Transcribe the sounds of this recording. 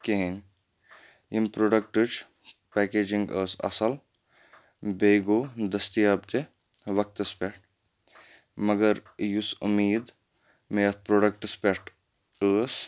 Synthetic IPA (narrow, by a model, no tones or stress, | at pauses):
keɦin | impɾoːɖɐk̚ʈɨt͡ʃ | pɛːkeːd͡ʒiŋɡəːsɐ̰sɐl | bʱeːɡoːd̪ɐst̪ijaːbt̪e | ʋɐk̚t̪ɐspeʈ | mɐɡɐɾjusumiːd̪ | meɐt̪̚pɾoːɖɐk̚ʈɨspeʈ | əːs